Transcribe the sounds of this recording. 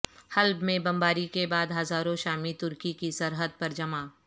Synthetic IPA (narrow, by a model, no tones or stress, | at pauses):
hɐlbmẽbɐ̃mbaːɾikebaːd̪ɦɐzaːɾõʃaːmit̪ʊɾkikisɐɾɦəd̪̚pɐɾd͡ʒɐmaː